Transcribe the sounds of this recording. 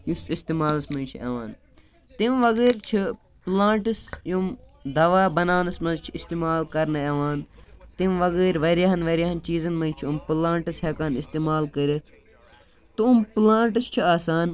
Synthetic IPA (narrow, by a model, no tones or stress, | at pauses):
jusist̪iːmaːlɐsmɐ̃nt͡ʃʰiḛʋaːn | t̪imʋɐɡeːɾt͡ʃʰi | plãːɳʈɨsjum | d̪ɐʋaːbɐnaːnɐsmɐzt͡ʃʰiist̪iːmaːlkɐɾnɨeʋaːnt̪imʋɐɡeːɾʋɐɾaɦɐnʋɐɾʲaɦɐnt͡ʃiːzɐnmɐ̃jt͡ʃʰiumplãːɳʈɐsheːkaːnist̪iːmaːlkəɾit̪ʰ | t̪uːmplãːɳʈɨst͡ʃʰiaːsaːn